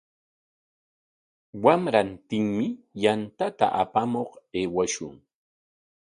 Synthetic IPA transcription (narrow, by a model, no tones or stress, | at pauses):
wamɾant̪ɪŋmɪjant̪at̪a̰ʔa̰pamoχeːwaʃʊ̰ŋ